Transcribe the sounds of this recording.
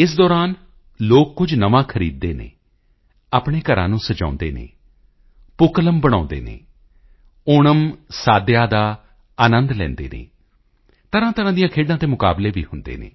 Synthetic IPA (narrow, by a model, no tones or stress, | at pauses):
ɪs̬d̪ɔːɾaːn | loːkːʊd͡ʒnəʋãːkʰəɾiːd̪̚ːeːnḛ̃ː | aːpɳ̃eːkəɾã̰ːnũːsəd͡ʒã̰ːnd̪ḛːnḛː | pʊkləmbəɽ̃ãːnd̪ḛːnḛː | oːɳəmsaːd̪jaːd̪aː | əːnənd̪lɛ̰̃ːnd̪ḛːnḛː | t̪əɾãːt̪əɾãːd̪ijãːkʰeːɖãːt̪eːmʊka̰ːbleːʋḭːhʊnd̪ḛːnḛː